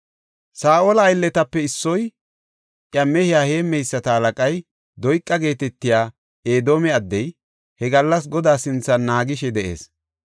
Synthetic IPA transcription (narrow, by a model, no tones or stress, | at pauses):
saːʔoːlɐːjlːɛt̪ɐpːɛɪsːɔj | ʔjɐmɛhɪjaːhe̞ːmːɛjsːɐt̪ɐhɐlɐkʼɐj | d̪ɔjkʼːɐɡe̞ːt̪ɛt̪ːɪjaː | eːd̪oːmɛɐd̪ːɛj | hɛɡɐlːɐs̬ɡɔd̪aːsɪnt͡sːɐnːaːɡɪʃɛd̪ɛʔe̞̰ːs